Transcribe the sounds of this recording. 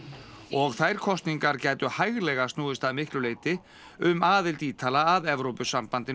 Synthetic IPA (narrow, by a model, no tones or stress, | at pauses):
ɔɣθajɾ̥kʰɔst̪niŋkaɾcɛːjt̪ʏhajɣlɛɣast̪nuːðɪst̪aðmɪhklʏleːjt̪ɪ | ʏmaːðɪlt̪iːt̪ʰaːlaːðɛvɾowpʏsampant̪ɪ